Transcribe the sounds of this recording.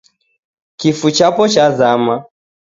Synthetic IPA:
kifut͡ʃapɔt͡ʃazama

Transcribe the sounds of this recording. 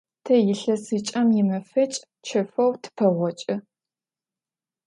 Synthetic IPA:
tʰɐjɪɬɐsɨt͡ʃʼɐmjɪmɐfɐt͡ʃʼ | t͡ʃʰɐfɐwtʰɨ̥pʰɐʁʷɔt͡ʃʼɪ

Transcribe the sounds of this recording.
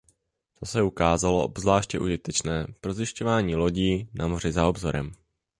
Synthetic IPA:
t̪osɛukaːzaloʔo̰bzvlaːʃcɛʔuʒɪt̪ɛt͡ʃnɛːpɾo̞zɪʃco̞vaːɲiːlo̞ɟiːnʔamo̞r̝ɪzao̞bzo̞ɾɛ̰m

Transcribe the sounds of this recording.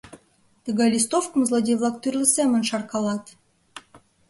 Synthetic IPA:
t̪əɣɑlʲist̪ofkə̆mzlˠodʲejvlˠɑk̚t̪yrʲlʲəsemə̆nʃɑrkɑlˠɑt̪

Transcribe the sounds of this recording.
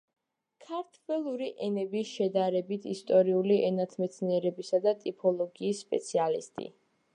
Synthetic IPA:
kʰaɾt̪ʰwɛlˠuɾiʔɛnɛbisʃɛd̪aɾɛbit̪ʰḭst̪ʼɔɾiuliʔɛnat̪ʰmɛt̪sʰniɛɾɛbisad̪at̪ʼipʰɔlˠɔɡiːsːpʼɛ̰t̪sʰialḭst̪ʼḭ

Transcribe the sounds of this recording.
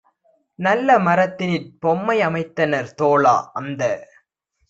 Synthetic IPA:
nɐlːɐmɐɾɐt̪ːɪnɪnpɔmːɐɪɐmɐɪt̪ːɐnɐɾt̪oːɭa̰ːɐnd̪ɐ

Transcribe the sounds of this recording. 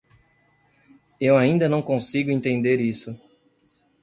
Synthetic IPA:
ewaĩnd̪ɐnɐ̃w̃kõsiɡʊẽt̪ẽnd̪eɾisʊ

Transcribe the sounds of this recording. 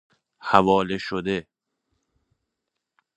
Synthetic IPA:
hævɒːleʃod̪e

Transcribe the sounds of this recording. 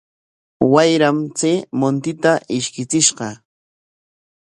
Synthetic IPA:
wajɾamt͡seːmont̪ɪt̪aʔɪʃkɪt͡sɪʃɢɑ

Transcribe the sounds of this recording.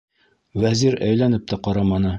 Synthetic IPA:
wæziɾæjlænɘp̚t̪æqɑɾɑmɑnɤ

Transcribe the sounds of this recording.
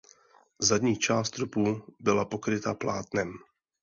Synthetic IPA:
zadɲiːt͡ʃaːst̪ɾupubɪlapo̞kɾɪt̪aplaːt̪nɛm

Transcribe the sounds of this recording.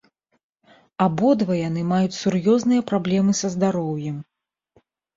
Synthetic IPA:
abɔd̪vɐjanɨmajut͡sʲsurjɔznɨjɐpɾablʲɛmɨsɐzd̪aɾɔwjɛm

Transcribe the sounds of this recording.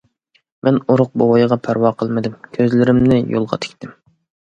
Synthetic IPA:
mɛnoɾʊq̚bowɑjʁɑpʰæɾwɑqʰəlˠmɨd̪ɪmkʲʰøzlɪɾɪmnɪjo̰lˠʁɑ̰t̪ʰɪ̥kʲt̪ʰɪm

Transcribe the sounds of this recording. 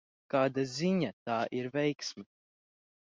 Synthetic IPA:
kaːd̪aziɲat̪aːʔiɾvɛjksmɛ

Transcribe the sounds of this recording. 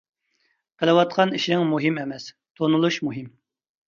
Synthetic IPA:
qʰəlˠɨwɑt̪̚qʰɑniʃiɨŋmuɦimɛmɛs | t̪ʰonulˠuʃmuɦɪm

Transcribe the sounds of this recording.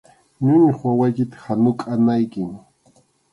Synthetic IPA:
ɲʊɲɪχwawajkɪt̪ḁhanʊkʼanajkɪŋ

